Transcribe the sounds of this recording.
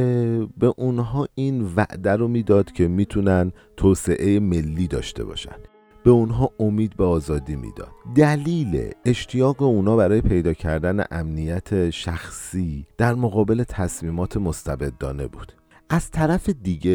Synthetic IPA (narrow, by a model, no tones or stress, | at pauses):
be̞ʔunɦɒːiːnvæ̰ʔd̪æɾomiːd̪ɒːd̪̥cʰe̞miːt̪ʰunænt̪ʰoːse̞ʔejeme̞lːiːd̪ɒ̰ːʃt̪ʰe̞̰bɒ̰ːʃæ̰nd̪̥ | be̞unɦɒːomiːd̪̚beɒːzɒːd̪iːmḭːd̪̥ɒ̰ːd̪̥d̪æliːle̞̰eʃt̪ʰijɒːɣe̞unɒːbæɾɒːje̞pʰe̞jd̪ɒːcʰæɾd̪æne̞̰ʔæmnijæt̪ʰe̞ʃæxsiːd̪̥æɾmoɣɒːbe̞le̞t̪ʰæsmiːmɒːt̪ʰe̞most̪ʰæbe̞d̪ːɒ̰ːne̞̰bṵːd̪̥ | ʔæz̥t̪ʰæɾæfe̞d̪iɟe